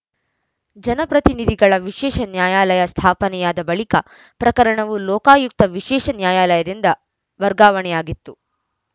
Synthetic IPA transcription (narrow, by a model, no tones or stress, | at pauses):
d͡ʒɐnɐpɾɐt̪inid̪ʱiɡɐɭɐʋiʃɛːʃɐnjaːjaːlɐjɐst̪ʰaːpɐnɛjaːd̪ɐbɐɭikɐ | pɾɐkɐɾɐɳɐʋulɔːkaːjuk̚t̪ɐʋiʃɛːʂɐnjaːjaːlɐjɐd̪ind̪ɐ | ʋɐɾɡaːʋɐɳɛjaːɡit̪ːu